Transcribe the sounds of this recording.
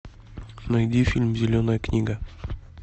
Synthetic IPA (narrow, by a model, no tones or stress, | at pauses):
nɐjd̪ʲifʲilʲmzʲelʲonajəknʲiɡa